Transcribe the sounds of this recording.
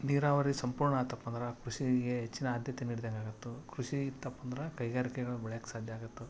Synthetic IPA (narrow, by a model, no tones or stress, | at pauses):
niːɾaːʋɐɾisɐmpuːɾɳɐaːt̪ːɐpːɐnd̪ɾɐkɾuʃiɡeɦet͡ʃːinɐːd̪ʱjɐt̪eniːɽid̪ɐŋɡaːɡut̪ːukɾuʃit̪ːɐpːɐnd̪ɾɐkɐjɡaːɾikɛɡɐɭubɛɭɐjakːsaːd̪ʱjɐaːɡut̪ːu